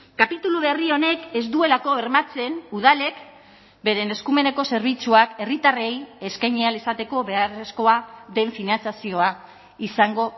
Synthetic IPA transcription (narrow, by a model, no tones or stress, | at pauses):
kapit̪uluβe̞rio̞ne̞ke̞zd̪ue̞lako̞eɾmat͡se̞nuð̞ale̞k | be̞ɾe̞ne̞skume̞ne̞ko̞se̞ɾβ̞it͡suake̞rit̪areje̞skajɲealisat̪e̞ko̞βe̞are̞sko̞aðe̞ɱfinant͡sjasio̞a | isaŋɡo̞